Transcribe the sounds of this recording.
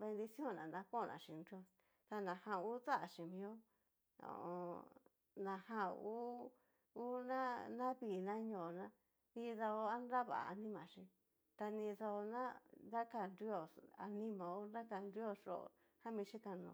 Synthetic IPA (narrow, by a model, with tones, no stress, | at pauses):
βe˧nd̪i˧si˦õ˦˨nã̰˨nã˧ko˦˨nʔã̰˨ʃĩ˨nɾi˦o˧˨ | t̪a˧nã˨hã˧u˦t͡sa˦ʔa˨ʂĩ˨mĩ˧o˦ | o̰˧˨õ˧ | nã˨hã˧uː˦ | u˦nã˦nã˦βiː˨nã˦ɲõ˨nã˦ | nĩ˦˧ða˧o˧a˦nɾa˦βa̰˨a˧nĩ˦mã˨ʂĩ˧ | t̪a˧nĩ˧ða˧o˧nã˦nda˦ka˧˨nɾi˦o˨a̰˧nĩ˦mã˨o˦nã˦ka˧nɾi˦o˦˨ʂo̰˦˨˧ | hã˦mĩ˧ʂĩ˦ka˧nõ̰˧˨